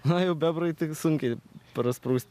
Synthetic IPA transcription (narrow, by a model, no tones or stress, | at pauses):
nɐjɛʊbʲɛbrɐɪt̪ʲɪksʊŋʲkʲɛɪpɾɐspɾɐʊsʲt̪ʲ